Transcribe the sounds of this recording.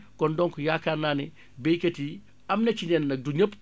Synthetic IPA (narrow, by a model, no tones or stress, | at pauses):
kɔndɔŋkujakanːaːni | bejkɐti | amnɐt͡ʃinɛnːɐk̚duɲəp